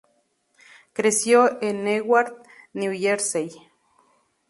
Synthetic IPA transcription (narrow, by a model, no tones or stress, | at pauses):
kɾesjoenːewaɾt̪̚ | niujeɾsej